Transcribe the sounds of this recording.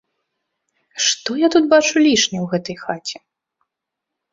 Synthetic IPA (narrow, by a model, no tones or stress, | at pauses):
ʂt̪ɔjat̪ut̪̚bat͡ʂulʲiʂnʲɛwɣɛt̪ɐjxat͡sʲɛ